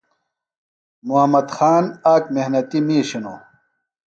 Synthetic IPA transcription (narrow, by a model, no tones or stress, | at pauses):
muɦɐmɐd̪xaːnaːkmehnɐt̪imiːɕino